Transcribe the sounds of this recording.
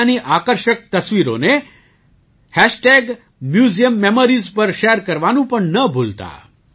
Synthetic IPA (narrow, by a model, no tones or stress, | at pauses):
niʔakəɾʃək̚t̪əsʋiɾo̰ne | hɛʃʈeɡ | mjuzijəmːemoɾizpəɾʃeɾkəɾʋanũpəɳnəbʱult̪a̰